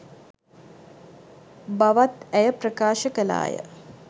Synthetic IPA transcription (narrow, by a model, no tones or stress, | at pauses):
baʋat̪æjəprəkaːʃəkəla̰ːjə̰